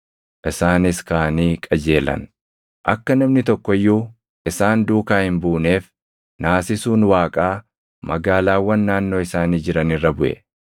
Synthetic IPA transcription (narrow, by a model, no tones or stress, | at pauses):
ʔɪsaːnɪskaːniːkʼɐd͡ʒe̞ːlɐ̰n | ʔɐkːɐnɐmnɪt̪ɔkːɔjːuː | ʔɪsaːnd̪uːkaːhɪmbuːne̞ːf | naːsɪsuːnwaːkʼaː | mɐɡaːlaːwːɐnːaːnːo̞ːɪsaːniːd͡ʒɪɾɐnɪrːɐbʊʔɛ̰